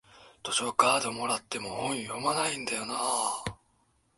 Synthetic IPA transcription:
t̪o̞ɕokaːd̪o̞mo̞ɾat̪ːe̞mo̞hõ̞ɰ̃jo̞manaĩnd̪ajo̞naː

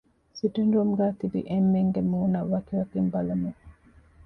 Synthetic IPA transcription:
siʈinɾumɡæːt̪ibḭʔemːeŋɡemuːnɐʋɐkiʋɐkimbɐlɐmu

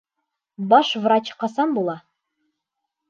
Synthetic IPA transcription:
bɑʃvrat͡ɕqɑsɑnbulˠɑ

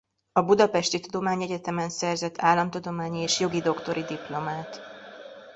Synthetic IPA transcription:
ɒbud̪ɒpɛʃt̪it̪ud̪omaːɲɛɟɛt̪ɛmɛnsɛrzɛt̪ːaːlːɒmt̪ud̪o̞maːɲieːʃjo̞ɡid̪o̞kt̪o̞ɾid̪iplo̞maːt̪

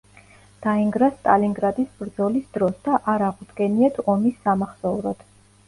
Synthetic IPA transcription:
d̪̥aiŋɡɾast̪ʼaliŋɡɾad̪isbɾd̪zɔlisd̪ɾɔsd̪aʔaɾaʁud̪ɡɛniat̪ʰɔmisːamaχsɔuɾɔd̪̥

